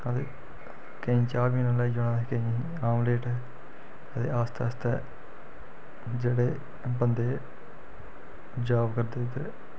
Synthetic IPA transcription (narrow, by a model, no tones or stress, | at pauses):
ət̪ḛ | keĩːt͡ʃaːɡiːnaːlaːiːd͡ʒoːɽaːkeĩ | aːmleːʈɛ | ət̪ḛːʔaːst̪aːst̪ɛː | d͡ʒeːɽeː | bənd̪eː | d͡ʒaːbkəɾd̪eːt̪eː